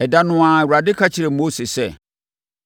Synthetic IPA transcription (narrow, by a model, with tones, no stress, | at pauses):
ɛ˨da˨nʊ̃˨ã˨wu˨ɾa˨dɪ˦kʰa˦t͡ɕʰɪ˨ɾe˨mo˦se˨sɛ˦˨